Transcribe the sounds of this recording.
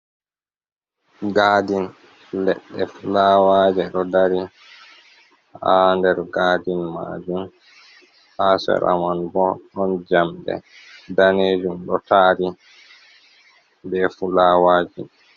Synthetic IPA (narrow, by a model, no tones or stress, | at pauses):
ɡaːdin | lɛ̰ɗːɛfulawaːd͡ʒɛɗɔdaɾi | handɛɾɡaːdinma̰ːd͡ʒum | haːsɛ̰ɾa̰manbɔɗɔnd͡ʒamɗɛ̰ | daneːd͡ʒumɗɔtaːɾi | bɛfulaːwaːd͡ʒin